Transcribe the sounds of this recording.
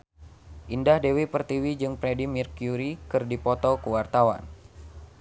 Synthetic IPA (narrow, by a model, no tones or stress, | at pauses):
ʔindahdewipərt̪iwid͡ʒɨŋpɾedimirkjuɾikɨrdipɔt̪ɔkuwart̪awa̰n